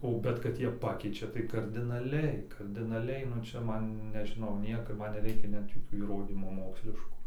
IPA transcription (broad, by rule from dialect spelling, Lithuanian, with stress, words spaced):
oː ˈbʲɛt kɐt ˈjiɛ ˈpɑːkʲɛɪt͡ʃʲɛ tɐɪ kɐrʲdʲɪnɐˈlʲɛɪ kɐrʲdʲɪnɐˈlʲɛɪ nʊ ˈt͡ʃʲɛ ˈmɐn nʲɛʒʲɪˈnɐʊ ˈnʲiɛkoː ˈmɐn nʲɛˈrʲɛɪkʲɛ nʲɛt joːˈkʲuː iːˈroːdʲiːmuː ˈmoːksʲlʲɪʃkuː